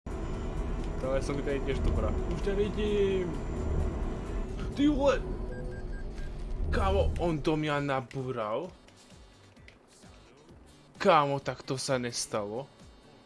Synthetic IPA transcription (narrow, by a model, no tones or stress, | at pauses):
t̪alɛasɔmit̪aɛc̪ɪɛʒd̪ɔbɾa̰ːuʃɲaʋiɟiːm | t̪iulɛ | kaːmɔɔnd̪ɔmɲanabuɾal | kaːmɔt̪akt̪ɔsanɛst̪alɔ